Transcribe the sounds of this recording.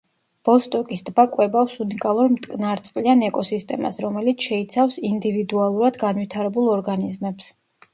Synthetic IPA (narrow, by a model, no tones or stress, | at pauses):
b̥ɔst̪ʼɔkʼisd̪bakʼwɛbafsunikʼalˠuɾmt̪ʼkʼnaɾt̪sʼlianɛkʼɔsist̪ʼɛma̰sɾɔmɛlit̪sʰʃɛit̪sʰafsind̪ivid̪ualˠuɾad̪ɡanvit̪ʰaɾɛbulˠɔɾɡanizmɛps